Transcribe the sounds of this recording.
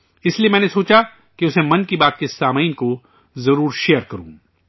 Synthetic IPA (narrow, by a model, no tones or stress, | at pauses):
ɪsliemɛ̃ːnesoːt͡ʃa | kiʊsemɐnkibaːt̪̚kesaːmaːnko | zɐɾuːɾʃeːjəɾkɐɾṵ̃ː